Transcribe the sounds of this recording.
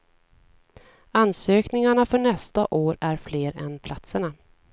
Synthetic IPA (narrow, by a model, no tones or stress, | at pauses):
ansøːknɪŋaɳafœɳɛst̪aʔoːɾæɾfleːɾɛ̰npʰlat̪səɳa